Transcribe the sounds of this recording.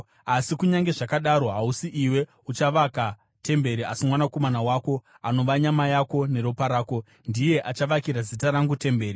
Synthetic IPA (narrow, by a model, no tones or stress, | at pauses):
asikuɲaŋɡe̞ʐakaɗaɾo̞ɦausiʔiwe̞ | ut͡ʃaʋaka | te̞mbe̞ɾiasimwanako̞manawaːko̞ | ano̞ʋaɲamajako̞ne̞ɾopaɾaːko̞ | ndije̞ʔat͡ʃaʋakiɾazitaɾaŋɡute̞mbe̞ːri